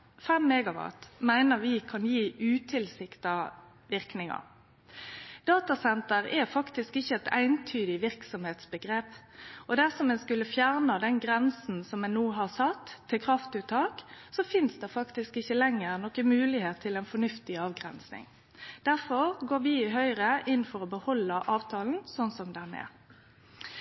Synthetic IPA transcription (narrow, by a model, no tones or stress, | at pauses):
fɛmːɛɡɑʋɑ̰t̪mæɪnəʁʋɪkʰɑnjiːʉːt̪ʰɪlsɪkt̪ɑ | ʋɪʁknɪŋɑ̰ | d̪̥ɑːt̪ɑsɛnt̪əʁɛfɑkt̪ɪskɪçːəɛt̪æ̰ɪnt̪ʰyːd̪ɪʋɪɾksɔmheːt̪sbəɡɾeːp | ʔɔd̪æʁsɔmɛnskʉlːəfjæʁnɑd̪ɛnɡɾɛnsn̩sɔmɛnnuːɦɑʁsɑt̪ʰːɪlkʰʁɑft̪ʉt̪ʰːɑːksɔfɪnsd̪ɛfɑkt̪ɪskɪçːəlɛŋːəʁnɔkəmʉːlɪheːt̪ʰːɪlæɪnfɔɳʉft̪ɪɑːʋɡʁɛ̰nsnɪ̰ŋ | d̪̥æʁfɔʁɡoːʋɪɦœʏɾəʔɪnːfɔɾɔbəhɔlːəʔɑːʋt̪ʰɑːln̩sɔnsɔmd̪ɛnːɛ̰